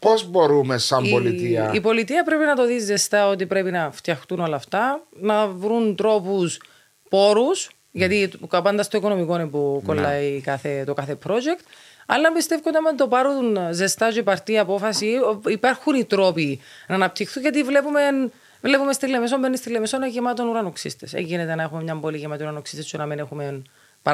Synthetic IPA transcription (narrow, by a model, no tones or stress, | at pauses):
pozbo̞ɾumesɐmbolit̪iɐ̰ipo̞lit̪iɐpɾe̞pinɐt̪oðizːest̪ɐo̞t̪̬ipɾe̞pinɐft̪jɐxt̪uno̞lɐːft̪ɐnɐvɾunt̪ɾo̞pus | po̞ɾus | ʝɐt̪iɐpɐnd̪ɐst̪oikono̞miko̞nepokolːɐikɐθe̞t̪okɐθe̞pɾo̞d͡ʒekt̪ | ɐ̰lːɐmbist̪e̞fkot̪ɐment̪opɐɾunzest̪ɐʒipɐɾt̪iɐpo̞fɐsiipɐɾxunit̪ɾo̞pinɐːnɐp̚t̪ixθuɲʝɐt̪̬ivle̞pumen | vle̞pumest̪ilːemes̬ombenːist̪ilːemesonoʝimɐt̪o̞nuɾɐnoksḭst̪esḛɲɡinet̪enɐe̞xumemɲɐmboliʝimɐt̪iuɾɐnoksist̪est͡ʃunɐminexumen | p